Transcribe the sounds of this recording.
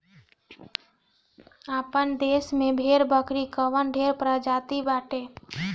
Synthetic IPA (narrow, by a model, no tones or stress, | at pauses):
aːpənd̪eːsmẽbʱeːɾbəkɾikəʋənɖʱeːɾpɾad͡ʒaːt̪ibaːʈe